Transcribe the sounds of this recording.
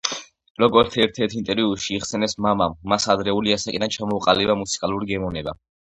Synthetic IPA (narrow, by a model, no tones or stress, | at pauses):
ɾɔɡɔɾt̪sʰɛɾt̪ʰɛɾt̪ʰint̪ʼɛɾiuʃiːχsɛnɛsmamamːasad̪ɾɛuliasakʼid̪ant͡ʃʰamɔuqʼalɛbamut̪sʰi̥kʼalˠuɾiɡɛmɔnɛba̰